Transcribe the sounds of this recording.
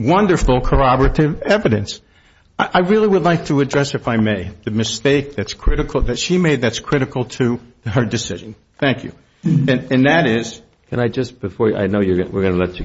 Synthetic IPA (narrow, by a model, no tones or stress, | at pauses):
wʌ̃ndə˞fl̩ˠkʰə˞ɑbə˞ɨɾɪvɛvɨɾɨ̰̃ns | aɪʔaɪɹɪlˠiwədˡlaɪk̚tʰəːdɹɛsɨfaɪmeɪðɨmɨsteɪk̚ðɨtskʰɹ̥ɪɾɨkl̩ˠðɨtʃimeɪd̪̚ðɨtskʰɹ̥ɪɾɨkl̩ˠtʰɨə˞dɨsɪ̰ʒ̃n̩ | θæ̃ŋkʰjʉ̰ | ɨ̃nɨ̃nðɨɾɪz̥ | kʰɨ̃naɪd͡ʒʌsb̥ɨfɔɹa̰ɪnoʊjə˞wɪ̰ɹɡʌnəlɛt͡ʃɨ